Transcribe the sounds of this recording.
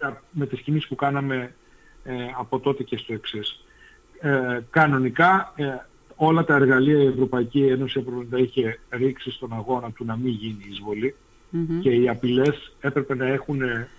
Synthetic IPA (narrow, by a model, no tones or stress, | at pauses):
tɐme̞t̪iscimisi̥spukɐnɐme̞ | ɐpo̞t̪o̞t̪e̞ce̞st̪o̞e̞ksis | kɐno̞nikɐ | o̞lɐt̪ɐe̞ɾɣɐliɐie̞vɾo̞pɐicie̞no̞siɐpoond̪ɐiçe̞ɾiksist̪o̞nɐɣo̞nɐt̪unɐmiɲʝiniizvo̞li | ce̞iɐpile̞se̞pɾe̞pe̞nɐe̞xune̞